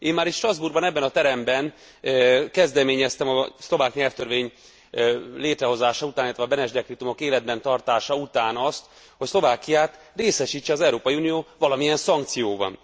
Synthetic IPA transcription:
eːmaːɾit̪ʃt̪rɒzburɡbɒnɛbːɛnɒt̪ɛɾɛmbɛn | kɛzd̪ɛmeːɲɛst̪ɛmɒslo̞vaːkɲɛlft̪ørveːɲ | leːt̪ɾɛɦo̞zaːʃɒut̪anilːɛt̪ʋɛɒbɛnɛʒd̪ɛkrit̪umo̞keːlɛd̪̚bɛnt̪ɒrt̪aːʃɒut̪aːnɒst̪ | ho̞cslo̞vaːkijaːt̪ | reːsɛʃiːt͡ʃːɛɒzɛwɾoːpɒjiuːnijoːvɒlɒmijɛnsɒŋkt̪sijoːvɒ̰n

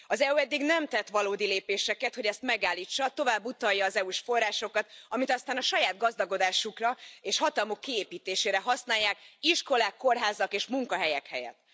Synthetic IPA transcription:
ɒzɛuɛd̪ːiɡnɛmt̪ɛt̪ʋɒloːd̪ileːpeːʃɛkɛt̪ho̞ɟɛst̪mɛɡaːlːiːt͡ʃːɒt̪o̞vaːbːut̪ɒjːɒːzɛuʃfo̞rːaːʃo̞kɒt̪ɒmit̪ɒst̪aːnɒʃɒjaːd̪ɡɒzd̪ɒɡo̞d̪aːʃukrɒeːʃhɒt̪ɒlmo̞kːieːpiːt̪eːʃeːɾɛɦɒsnaːjːaːkiʃko̞laːkːo̞rɦaːzɒkeːʃmuŋkɒɦɛjɛkhɛ̰jɛ̰t̪ː

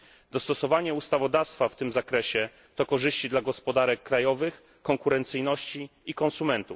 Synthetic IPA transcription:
d̪ɔst̪ɔsɔvaɲɛust̪avɔd̪afst̪faft̪ɘmzakɾɛɕɛ | t̪ɔkɔʐɘɕt͡ɕid̪laɡɔspɔd̪aɾɛkːɾajɔvɘx | kɔŋkuɾɛnt̪sɘjnɔɕt͡ɕiikɔnsumɛnt̪u

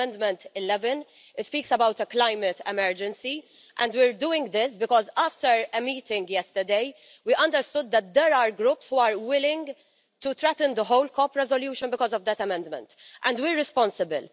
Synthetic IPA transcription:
ɛ̃nd̪mɛ̃nt̪ɪlɛvə̃n | ɪtspiːksəbawt̪əklaɪmət̪ɛmɛɹd͡ʒɛ̃nsi | ʔɛ̃nd̪wɪːɹd̪uːɪ̃ŋɡd̪ɪsbɪkɔːzaːft̪əɾɛmiːt̪ɪ̃ŋɡjɛst̪əd̪eɪ | wiʔɐ̃nd̪əɾst̪ʊd̪̚ːɛt̪̚d̪ɛɾaːɾɡɾuːpshuːaːɹwɪlɪ̃ŋɡ | t̪ut̪ɾɛt̪ə̃nd̪əɦoʊlkʰɔpɾɛzɔljuːʃə̃nbɪkɔːzɔvd̪ɛt̪ɐmɛ̃nd̪mɛ̰̃nt̪ʔɛ̃nd̪wiɹːɪspɔ̃nsɪbɪl

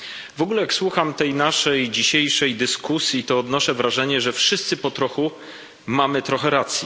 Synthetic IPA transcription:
vɔɡulɛjakswuxamt̪ɛjnaʂɛjd͡ʑiɕejʂɛjd̪ɘskusʲjit̪ɔːd̪nɔʂɛvɾaʐɛɲɛʐɛfʂɘst̪sɘpɔt̪ɾɔxu | mamɘt̪ɾɔxɛɾat̪sʲji

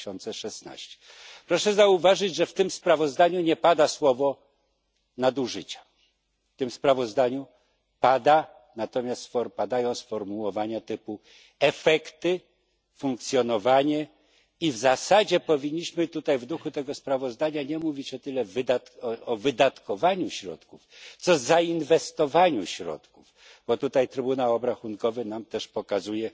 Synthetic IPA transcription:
ɔnt̪sɛʂɛsna̰ɕt͡ɕɛ̥ | pɾɔʂɛzauvaʐɘd͡ʑʐɛft̪ɘmspɾavɔzd̪aɲuɲɛpad̪aswɔvɔ | nad̪uʐɘt͡ɕḁ | ft̪ɘmspɾavɔzd̪aɲu | pad̪a | nat̪ɔmʲjast̪fɔɾpad̪ajɔ̃w̃sfɔɾmuwɔvaɲat̪ɘpu | ɛfɛkt̪ɘ | fuŋk̚t̪sʲjɔnɔvaɲɛ | ivzasad͡ʑɛpɔvʲiɲːiɕmɘt̪ut̪ajvd̪uxut̪ɛɡɔspɾavɔzd̪aɲaɲɛmuvʲit͡ɕɔt̪ɘlɛvɘd̪at̪ɔvɘd̪at̪kɔvaɲuɕɾɔ̰t̪kuft̪sɔzainvɛst̪ɔvaɲuɕɾɔ̰t̪kuv | b̥ɔt̪ut̪ajt̪ɾɘbunawɔbɾaxuŋkɔvɘnamt̪ɛʂpɔkazujɛ

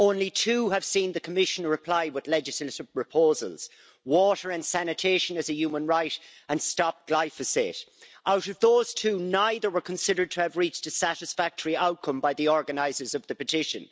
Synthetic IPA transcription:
õʊ̃nlitʰuːəv̥sĩnðəkʰəmɪʃə̃nɹɪpʰl̥aɪwɪðlɛd͡ʒɪsləɾɪv̥ɹɪpʰoːzə̰lˠz̥ | wɔɾə˞ə̃nsænɨtʰeɪʃə̃nəzəjʉːmə̃nɹaɪɾə̃nstɑp̚ɡ̥laɪfɨsḛɾʔaʊɾʌvðoːz̥tʰʉːnaɪðə˞wə˞kʰə̃nsɪɾə˞d̚tʰəːvɹit͡ʃtəsæɾɪsfæk̚tʰəɹiaʊt̚kʰʌ̃mbaɪðiɔɹɡənaɪzə˞zʌvðəpɨtʰɪʃə̰̃n

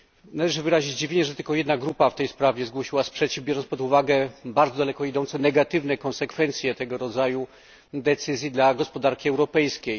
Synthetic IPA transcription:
nalɛʐɘvɘɾaʑid͡ʑd͡ʑivʲeɲɛʐɛt̪ɘlkɔjɛd̪naɡɾupaft̪ɛjspɾavʲɛzɡwɔɕiwaspʂɛt͡ɕivbjɔɾʐɔnspɔd̪uvaɡɛbaɾd̪zɔd̪alɛkɔid̪ɔnt̪sɛnɛɡat̪ɘvnɛkɔnsɛkfɛnt̪sʲjɛt̪ɛɡɔɾɔd̪zaju | d̪ɛt̪sɘzʲjid̪laɡɔspɔd̪aɾkʲiɛwɾɔpɛjskʲej

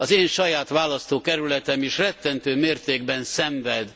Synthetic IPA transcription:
ɒzeːnʃɒjaːt̪ʋaːlɒst̪oːkɛɾylɛt̪ɛmiʃrɛt̪ːɛnt̪øːmeːrt̪eːɡ̚bɛnsɛɱvɛd̪

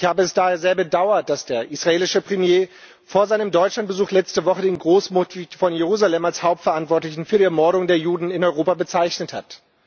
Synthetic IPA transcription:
ɪçhaːbəɛsd̥aːheːɐzeːɐbədaʊɐt̚d̥asd̥eːɐʔisʁ̥aeːlɪʃəpʁ̥emjeː | foːɐzaɪnəmdɔʏt͡ʃlant̚b̥əzuːxlɛt͡stəvɔχədeːnɡʁoːsmotifɔnjeʁuːzalɛmalshaʊp̚tfɛɐantv̥ɔɐtlɪçn̩fyːɐɾiːɛɐmɔɐɾʊŋdeːɐjuːdn̩ɪnɔʏʁoːpabət͡saɪçnəthat

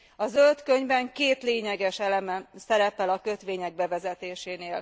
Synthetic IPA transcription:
ɒzølt̪kø̞ɲbɛŋkeːt̪leːɲɛɡɛʃɛlɛmɛsɛɾɛpɛlɒkø̞t̪ʋeːɲɛɡ̚bɛvɛzɛt̪eːʃeːneːl

